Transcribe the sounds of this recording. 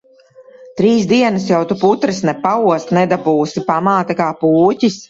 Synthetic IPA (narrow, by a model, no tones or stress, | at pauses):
t̪ɾiːsd̪iɛnɐsjawt̪uput̪ɾɨsnɛpauɔst̪nɛd̪abuːsipamaːt̪akaːpuːcis